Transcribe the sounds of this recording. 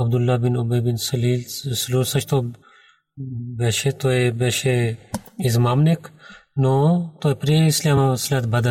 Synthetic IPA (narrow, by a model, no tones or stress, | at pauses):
ɐb̚d̪ulːaːbinubɐjbinsliːsluːlsɐʃt̪o | beʃet̪oebeʃe | izmaːmnekʰnot̪oːepɾiislamaslʲaːt̪bɐd̪ɐ